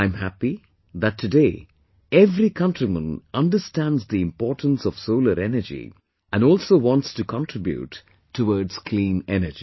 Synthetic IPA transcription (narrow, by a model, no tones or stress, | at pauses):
ãɪ̃mɦæpi | ðætʰːɨdeː | ɛvɾikʰʌ̃nʈɾimə̃nʌ̃nɖəstæ̃ndzd̪iɪ̃mpɔːʈə̃n̩sɔʋ̥soʊləɾɛnəd͡ʒḭ | ʔæ̃nɔːlsoːʋɔ̃ntstukʰɑ̃nʈɾɪbjṵtʰː | əwɔːɖz̥kʰlĩːnɛnəd͡ʒi